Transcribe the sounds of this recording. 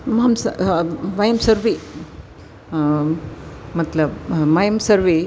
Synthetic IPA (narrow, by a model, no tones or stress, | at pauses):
mamsɐʋajɐmsɐɾʋe | mɐt̪lɐbmajəmsɐɾʋe